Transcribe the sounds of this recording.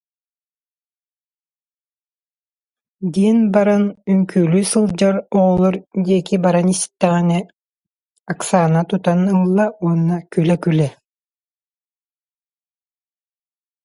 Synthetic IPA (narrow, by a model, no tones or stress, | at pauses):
d̪iɛnbaɾanyŋkyːlyːsɯlˠd͡ʑaɾɔːlˠɔɾd̪iɛkibaɾanisi̥t̪ːɛʁinɛ | aksaːnat̪ut̪anɯlˠːauɔnːakylɛkylɛ